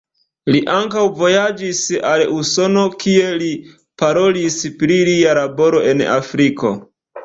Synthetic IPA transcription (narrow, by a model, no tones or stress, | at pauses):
liʔaŋkawvo̞jad͡ʒisaluso̞no̞kie̞li | paɾo̞lispɾilialabo̞ɾo̞e̞na̰fɾiko̞̰